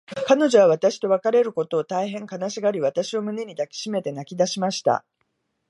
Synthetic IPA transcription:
kano̞ʑo̞βaβ̞at̪aɕi̥t̪o̞βakaɾe̞ɾɯ̟ko̞t̪o̞ːt̪aiɦẽ̞ŋkanaɕiɡaɾʲiβ̞at̪aɕio̞mɯ̟ne̞ɲ̟id̪akʲi̥ɕime̞t̪e̞nakʲid̪aɕimaɕi̥t̪a̰

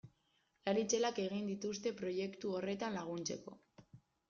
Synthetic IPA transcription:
laɾit͡se̞lake̞ɣ̞ind̪it̪ust̪e̞pɾo̞je̞kt̪uore̞t̪anlaɣ̞unt͡se̞ko̞

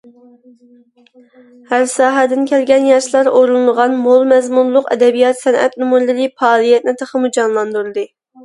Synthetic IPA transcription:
hæɾsɑːɦɛd̪ɪnkʲʰɛlɡʲɛnjɑʃlˠɑɾoɾunlˠʁɑnmolˠmɛzmunlˠʊqɛ̰d̪ɛbijɑt̪sɛnʔɛ̰t̪numuɾlɨlʲipɑːlˠijɛt̪̚nɪt̪ʰəχəmud͡ʒɑnlˠɑnd̪uɾɨd̪ɨ

